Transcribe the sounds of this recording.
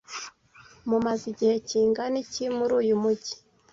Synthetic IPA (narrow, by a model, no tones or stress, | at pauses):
mumaziɟihe̞ciːŋɡanicimuɾuːjumuɟi̥